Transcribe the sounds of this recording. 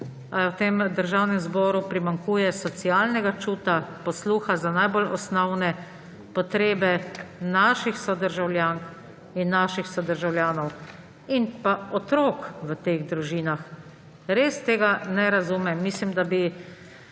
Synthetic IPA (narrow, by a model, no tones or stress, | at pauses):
awt̪eːmd̪əɾʒawnɛmzbɔːɾupɾimaŋkuːjɛsɔsijaːlnɛɡat͡ʃuːt̪apɔsluːxazanajbolɔsnɔwnɛ | pɔt̪ɾeːbɛnaːʃixsɔd̪əɾʒawlʲjaːŋk | inːaʃixsɔd̪əɾʒawljaːnɔw | inpaɔt̪ɾokʋət̪eːɣd̪ɾuʒiːnax | ɾest̪eːɡanɛɾazumɛmːislimd̪abi